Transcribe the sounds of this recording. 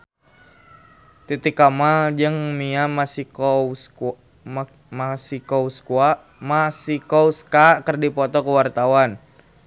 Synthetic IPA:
t̪it̪ikamad͡ʒəŋmiamasi | masikɔuskua | masikɔuskakərdipɔt̪ɔkəwart̪awan

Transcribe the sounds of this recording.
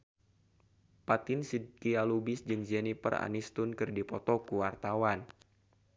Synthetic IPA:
pat̪ɪnsid̚kialubɪsd͡ʒɨŋd͡ʒɛnipə̰ra̰nist̪unkɨrdipɔt̪ɔkuwart̪awan

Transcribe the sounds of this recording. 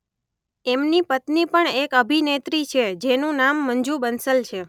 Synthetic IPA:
emnipət̪nipəɳekəbʱinet̪ɾit͡ʃʰed͡ʒenũnamːəɲd͡ʒubənsəlt͡ʃʰe

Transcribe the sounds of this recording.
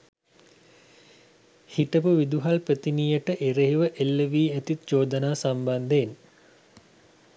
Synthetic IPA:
hiʈəpuʋid̪uɦalprət̪inijəʈəʔeɾeɦiʋəʔelːəʋiːæt̪it̪d͡ʒoːd̪ənaːsamband̪en

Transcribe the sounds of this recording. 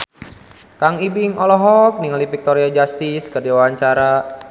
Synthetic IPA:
kaŋibiŋɔlɔɦɔk̚niŋalifik̚t̪ɔɾiad͡ʒast̪iskərdiwwaɲt͡ʃaɾa

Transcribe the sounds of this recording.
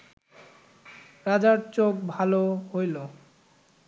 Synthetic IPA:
ɾad͡ʑaɾt͡ɕokbʱaloɦojlo

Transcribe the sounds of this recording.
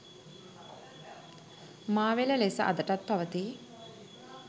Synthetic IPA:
maːʋeləlesəʔa̰d̪əʈat̪̚paʋət̪i

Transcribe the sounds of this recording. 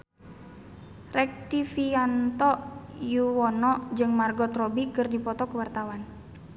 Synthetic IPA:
rɛk̚t̪ifiant̪ɔjuwɔnɔd͡ʒɨŋmarɡɔt̪rɔbikɨrdipɔt̪ɔkəwart̪awan

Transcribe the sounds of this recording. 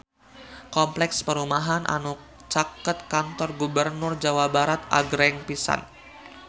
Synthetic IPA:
kɔmplɛkspəɾumaɦanʔa̰nu | t͡ʃakət̪̚kant̪ɔrɡubərnʊrd͡ʒawabaɾat̪a̰ɡɾɛŋpisa̰n

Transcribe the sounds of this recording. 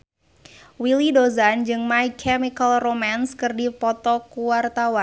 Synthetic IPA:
wilidozand͡ʒɨŋmaikʰɛmikəlromanskɨrdipɔt̪ɔkuwart̪awan

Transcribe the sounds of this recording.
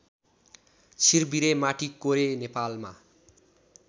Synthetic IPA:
sirbiɾemaʈikːoɾenepalma

